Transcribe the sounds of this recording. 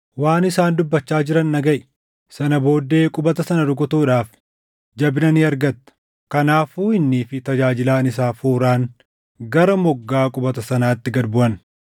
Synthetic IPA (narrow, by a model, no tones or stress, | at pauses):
waːnɪsaːnd̪ʊbːɐt͡ʃːaːd͡ʒɪɾɐnːɐɡɐʔɪ | sɐnɐbo̞ːd̪ːe̞ːkʼʊbɐt̪ɐsɐnɐɾʊkʼʊt̪uːᶑaːf | d͡ʒɐbnɐniɐɾɡɐt̪ːɐ̥ | kɐnaːfuːɪnːiːfɪt̪ɐd͡ʒaːd͡ʒɪlaːnɪsaːfuːɾaːŋ | ɡɐɾɐmɔɡːaːkʼʊbɐt̪ɐsɐnaːt̪ːɪɡɐd̪bʊʔɐn